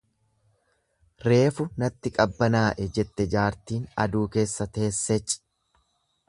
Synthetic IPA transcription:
ɾe̞ːfʊnɐt̪ːɪkʼɐbːɐnaːʔɛd͡ʒɛt̪ːɛd͡ʒaːɾt̪iːnɐ̰d̪uːke̞ːsːɐt̪e̞ːsːɛt͡ʃʼːɪ̥

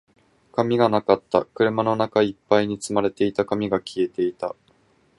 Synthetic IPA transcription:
kamʲiɡanakat̪ːa̰kɯ̟ɾɯ̟mano̞nakaipːaiɲ̟it͡sɨmaɾe̞t̪e̞it̪akamʲiɡakʲʰie̞t̪e̞it̪a̰

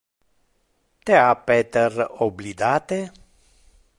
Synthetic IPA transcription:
t̪eapet̪eroblid̪at̪e

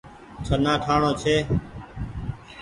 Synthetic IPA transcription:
t͡ʃʰənaːʈʰaːɳoːt͡ʃʰeː

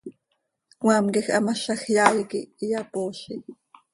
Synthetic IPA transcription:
kwɑːmkixʔɑ̰mɑʃɑxjɑːjikiijapoːʃi

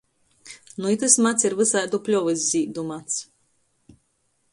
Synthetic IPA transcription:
nuit̪ɨsmat̪siɾvɨsajd̪uplʲɔvɨz̬ʲziːd̪umat̪s

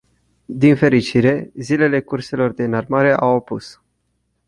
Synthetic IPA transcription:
d̪infe̞ɾit͡ʃiɾe̞zile̞le̞kurse̞lo̞rd̪eɨnarmaɾe̞ʔawopus

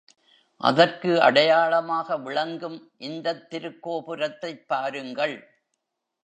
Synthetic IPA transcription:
ʔɐ̰ðɐrkɯɐ̰ɽɐjaːɭɐmaːɣɐʋɪɭɐŋɡɯmʔɪnd̪ɐt̪ːɪɾɯkːoːpɯɾɐt̪ːɐɪpːaːɾɯŋɡɐɭ

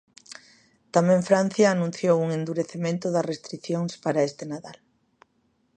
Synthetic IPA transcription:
t̪amẽɱfɾan̟θjaːnũn̟θjowuŋend̪uɾeθemẽnt̪ʊðɐsrest̪ɾiθjoŋspaɾaest̪enaðal

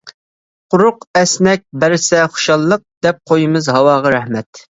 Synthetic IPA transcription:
qʰʊɾʊqɛsnɛk̚ʲbæɾɪsɛχʊ̥ʃɑlˠːəq̚d̪̥ɛp̚qʰojimɨzɦɑwɑːʁɑɾɛhmɛt̪

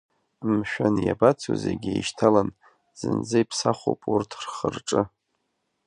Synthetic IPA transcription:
mʃᶣanja̰bat͡sʰo̰zeɡʲejʃtʰalan | z̥ɨnd͡zɨjpʰsaχʷo̰pʼurtʰrχərʈ͡ʂʼɨ

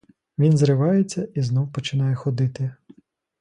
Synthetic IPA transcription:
ʋʲinzrɪʋɑjet͡sʲːɐʔiznɔwpɔt͡ʃɪnɑjɛxɔd̪ɪt̪ɪ

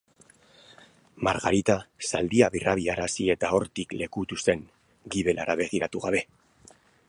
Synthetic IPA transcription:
maɾɣaɾit̪asald̪iaβirʔaβiaɾasie̞t̪ao̞ɾt̪ikle̞kut̪use̞ŋ | ɡiβe̞lʔa̰ɾaβe̞ɣ̞iɾat̪uɣaβe̞

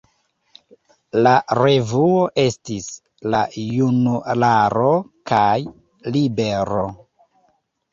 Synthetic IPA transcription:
laɾe̞vuo̞ʔe̞stis | lajunulaɾo̞kʰaj | libe̞ɾo̞

